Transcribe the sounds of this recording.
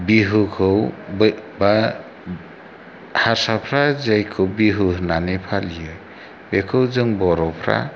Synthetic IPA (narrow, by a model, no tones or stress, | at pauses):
biɦɯkʰɯwbba | haɾsapʰɾazajkʰɯwbiɦɯnanepʰalijɯ | bekʰɯwzɯŋbɔɾɔpʰɾa̰